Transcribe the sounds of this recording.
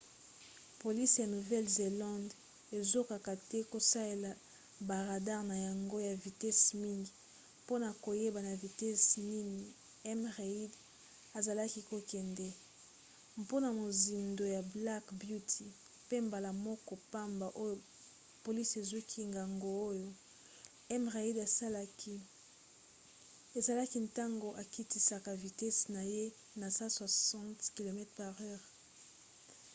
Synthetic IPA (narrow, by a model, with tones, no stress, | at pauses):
po˨li˦sja˨nu˨vɛ˦lze˨lã˦nd | e˨zo˦ka˨ka˨tɛ˦ko˨sa˦le˨la˨ | ba˨ʁa˨da˦ʁna˨ja˨ŋɡo˦ja˨vi˨tɛ˦smi˦ŋɡi˨ | po˦na˨ko˨je˦ba˨na˨vi˨tɛ˦sni˦ni˨ | ɛ˦mʁe˨i˦d | a˨za˨la˦ki˦ko˨kɛ˨ndɛ˦ | po˦na˨mo˨zi˨ndo˨ja˨bla˦kbju˦tʰi˨ | pe˦mba˨la˨mɔ˦kɔ˨pa˦mba˨ʔo˦jo˨ | po˨li˦se˨zu˦kʰi˦ŋɡa˨ŋɡo˦o˦jo˨ | ɛ˦mʁe˨i˦da˨sa˦la˦kʰi˦ | e˨za˨la˦ki˦nta˦ŋɡo˨ʔa˨ki˦ti˦sa˨ka˨vi˨tɛ˦sna˨je˦ | na˨sa˦swa˨sɑ̃˦tki˨lo˨mɛ˦tχpa˨ʁɛ˦ʁ